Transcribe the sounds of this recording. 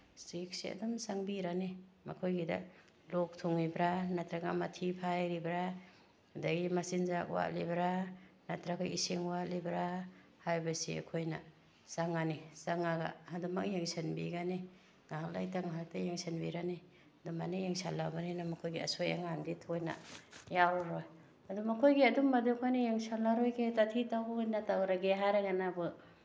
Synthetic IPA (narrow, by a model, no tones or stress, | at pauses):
stik̚sḭa̰damsaŋbiɾanima̰kʰojɡida̰ | lɔk̚tʰuŋibɾanatɾaɡamatʰipʰajɾibɾa | hudaɡimasinzak̚wa̰ʔlibɾanatɾaɡaisiŋwalibɾa | hajbasḭa̰kʰojna̰ | saŋanisaŋaɡa̰haduma̰k̚jeŋsanbḭɡani | ŋaŋla̰jtaŋaɦak̚tajeŋsenbiɾani | dumanijeŋsalːabaninamakʰojɡiɐ̰soja̰ŋanditʰojna̰jaɾɔɾɔj | ɐdumɐkʰojɡiɐdumːadukʰojnajeŋsalaɾojɡetatʰitawbɯjnatawɾaɡeɦaɾaɡanabɯ